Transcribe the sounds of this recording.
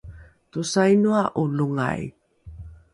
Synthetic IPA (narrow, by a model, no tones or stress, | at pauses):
tusajnuaʔuluŋa̰j